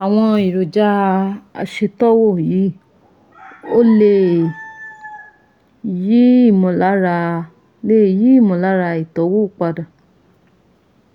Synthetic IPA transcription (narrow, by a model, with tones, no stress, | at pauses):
a˨w̃ɔ̃˧i˨ɾo˨d͡ʒa˧˦a̰˧ʃe˧tɔ˦wo˦˨ji˨˦ | o˦le˧˨ | ji˦i˦˨mɔ̃˧˨la˨˦ɾa˧ | le˦˨ji˦i˦˨mõ˧la˨˦ɾa˧i˨tɔ˨˦wo˦˨k͡pa˧da˨